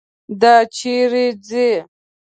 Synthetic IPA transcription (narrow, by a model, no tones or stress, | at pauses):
d̪at͡ʃʰiɾid͡zi